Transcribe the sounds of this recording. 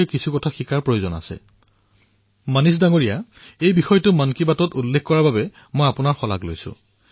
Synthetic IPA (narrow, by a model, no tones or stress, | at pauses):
kisʰukɔtʰaxikaɹpɹojozɔna̰sɛ̰ | manis̬daŋoɹijaejbixɔjtʊmankibatɔtulːekkɔɹababɛ | mojapʊnaɹxɔla̰klojsʊ̰̃